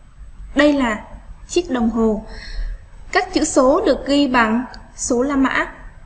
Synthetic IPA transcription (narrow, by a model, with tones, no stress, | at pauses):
ɗə˧jlaː˨˩t͡ɕi˦˥ək̚ɗə˨˩wŋ͡mɦo˨˩ | kaː˦˥k̚t͡ɕɨ̰˧˥so˨˦ɗɨ˨˩ək̚ɣi˧ɓa̰˧˨n | so˨˦laː˧ma̰ː˧˥